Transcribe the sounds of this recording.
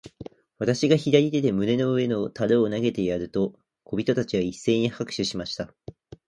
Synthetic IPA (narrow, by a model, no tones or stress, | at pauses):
βat̪aɕiɡaçid̪aɾʲid̪e̞t̪e̞mɯ̟ne̞no̞ɯ̟e̞no̞t̪aɾɯːnaɡe̞t̪e̞jaɾɯ̟t̪o̞ | kʰo̞bʲit̪o̞t̪at͡ɕiβaisːe̞ːɲ̟ihakɯ̟̥ɕɨɕimaɕi̥t̪a